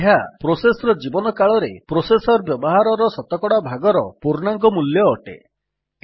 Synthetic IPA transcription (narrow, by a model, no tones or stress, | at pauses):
ɦapɾosesɔɾɔd͡ʒibɔnɔkaɭɔɾepɾosesɔɾbjɔbɔɦaɾɔɾɔsɔt̪ɔkɔɽabʱaɡɔɾɔpuɾnaŋkɔmuljɔːʈḛ